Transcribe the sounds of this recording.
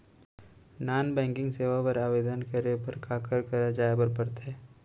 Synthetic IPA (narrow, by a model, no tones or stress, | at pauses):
naːnbɛ̃ːŋkɪ̃ŋɡseːʋapɐɾaːʋeːd̪ənkɐɾepɐɾkaːkəɾkɐɾad͡ʒaːebəɾpɐɾt̪ɛː